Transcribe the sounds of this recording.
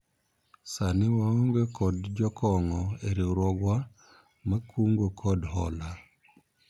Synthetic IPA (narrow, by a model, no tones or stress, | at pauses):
sanɪwaoŋɡekɔdd͡ʒɔkʰɔŋɔeɾiɾɔɡwa | makʰuŋɡokʰɔdɦɔla